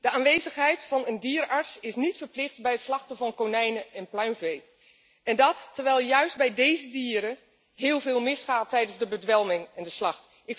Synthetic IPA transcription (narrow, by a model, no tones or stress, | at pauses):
d̥əaːnʋejzəχɦɛjtfɑnəndiːɹɑɹtsɪsnitfəɹplɪχtbɛjətslɑχtəvɑnkonɛjnəʔɛnplœɥmvej | ɛndɑtːəɹʋɛjlˠjœɥsd̚bɛjdejzədiːɾə | ɦɪːlˠvɪːlˠmɪsχaːtːɛjdənzdəbədʋɛlˠmɪŋɛndəslɑχt | ɪk